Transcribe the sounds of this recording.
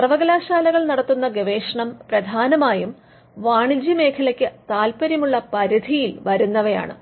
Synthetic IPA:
ɐrʋɐɡɐlaːɕaːlɐɣɐɭnɐɽɐt̪ːunːɐɡeʋeːʂɐɳɐmprɐd̪ʱaːnɐmaːjum | ʋaːɳid͡ʑime̞ːkʰɐlɐkʲːɨt̪aːlpɐɾjɐmuɭːɐpɐɾid̪ʱijilʋɐɾunːɐʋɐja̰ːɳɨ̰

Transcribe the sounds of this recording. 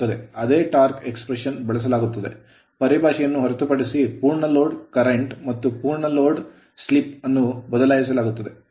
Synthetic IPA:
ɐd̪e̞ɐd̪e̞ːʈaːɾkekspɾeʂɐnbɐɭɐs̬ɐlaːɡut̪ːɐd̪e̞̰ | pɐɾibʱaːʃɛjɐnːuɦɐɾɐt̪upɐɽisipuːɾɳɐloːɖkɐɾeɳʈmɐt̪ːupuːɾɳɐloːɖ | slipɐnːubɐd̪ɐlaːjisɐlaːɡut̪ːɐd̪e̞

